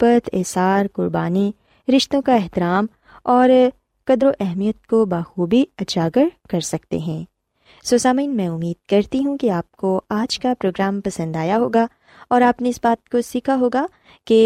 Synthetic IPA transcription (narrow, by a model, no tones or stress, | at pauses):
pɐt̪ʰɛ̰ːsaːɾkʊɾbaːni | ɾɪʃt̪õkaɛɦt̪ɪɾaːm | ɔːɾ | kɐd̪ɾoʔɛɦmijət̪̚kobaːxuːbiɐd͡ʒaːɡəɾkɐɾsɐkt̪ḛɦɛ̃ː | soːsaːmiːnmɛ̃ʊmːiːd̪̥̚kɐɾt̪iɦũkiaːp̚koaːd͡ʒkapɾoːɡɾaːmpɐsə̃nd̪aːjaɦoːɡa | ɔːɾaːpneɪsbaːt̪̚kosiːkʰaɦoːɡa | ke